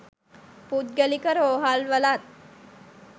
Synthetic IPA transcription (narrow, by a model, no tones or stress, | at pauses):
put̪̚ɡəlikəɾoɦalʋəlat̪̚